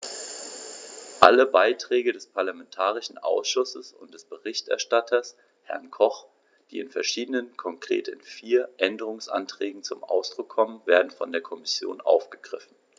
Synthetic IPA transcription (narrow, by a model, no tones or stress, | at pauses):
ʔa̰ləbaɪtʁ̥ɛːɡədɛspʰaɐlamɛntʰaːʁ̞ɪʃn̩ʔa̰ʊsʃʊsəsʊ̰ntd̥ɛsb̥əʁɪçtʔɛ̰ɐʃtatʰɐs | hɛ̰ɐnkʰɔχ | d̥iːɪnfɛɐʃiːdənənkʰɔŋkʁ̥ḛːtɪnfiːɐʔɛndəʁ̞ʊŋsʔa̰ntʁ̥ɛːɡŋ̩t͡sʊmʔa̰ʊsd̥ʁʊkʰːɔmənveːɐdn̩fɔ̰ndeːɐkʰɔmɪsjo̰ːnʔa̰ʊfɡ̥əɡ̥ʁɪfn̩